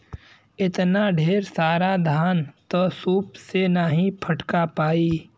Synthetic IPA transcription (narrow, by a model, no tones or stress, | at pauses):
ɪt̪naɖʱeːɾsaːɾad̪ʱaːnt̪osuːpsenaɦĩpʰɐʈkapaːi